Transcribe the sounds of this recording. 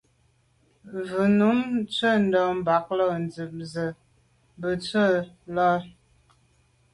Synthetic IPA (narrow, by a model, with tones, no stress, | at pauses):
vɨ˨nu˨˦mt͡sə˦˨n̩˦dɔ˨m˨ba˨k̚lɔ˦˨n˨d͡zi˨p̚zə˨ | bə˨t͡sə˦˨lɔ˦ɾ